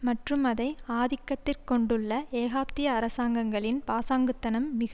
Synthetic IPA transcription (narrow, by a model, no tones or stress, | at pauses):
mɐʈrɯmɐðɐɪaːðɪkːɐt̪ːɪrkɔɳɖɯɭːɐeːɣaːp̚t̪ɪjɐːɾɐsaːŋɡɐŋɡɐɭɪnpaːsaːŋɡɯt̪ːɐnɐmːɪɣɐ